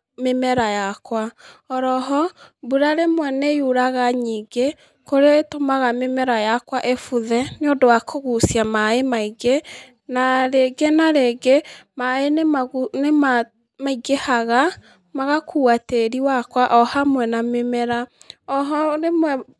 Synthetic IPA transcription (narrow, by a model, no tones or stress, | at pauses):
memɛɾajakwaɔɾɔɦɔbuɾaɾemwɛnejuɾaɣaɲiɡe | koɾeetomaɣamemɛɾajakwaʔefuðɛneodowakʰoɣusiamaemaiɡe | naɾeɡenaɾeɡemaenemaɣunema | maiɡehaɣa | maɣakuateɾiwakwaʔɔhamwɛnamemɛɾa | ɔɦɔɾemwɛ